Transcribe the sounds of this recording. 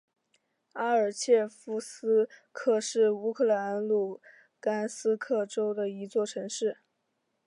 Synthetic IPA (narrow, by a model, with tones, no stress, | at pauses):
a˥ə˞˨˩t͡ɕʰjɛ˥˩fu˥sɹ̩˥kʰɤ˥˩ʂɻ̩˥˩u˥kʰɤ˥˩la˧˥nlu˥˩ | ka˥nsɹ̩˥kʰɤ˥˩ʈ͡ʂo˥ʊd̪ə˨i˧˥t͡swɔ˥˩ʈ͡ʂʰɤ˧˥ŋʂɻ̩˥˩